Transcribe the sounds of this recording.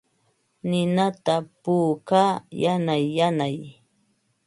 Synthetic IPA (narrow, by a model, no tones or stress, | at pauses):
nɪnat̪apuːkaːjanajːanaj